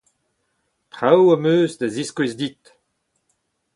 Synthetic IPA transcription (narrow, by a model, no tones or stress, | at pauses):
tʁawamøːzd̪aziskwezdit̪